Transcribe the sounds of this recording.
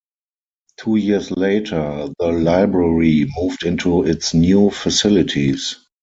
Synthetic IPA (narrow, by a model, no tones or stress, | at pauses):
tʰuːjiəsleɪtʰə˞ðəlaɪbɹəɹimuːvdɪ̃ntʰuɪtsnjuːfasɪlɪtʰis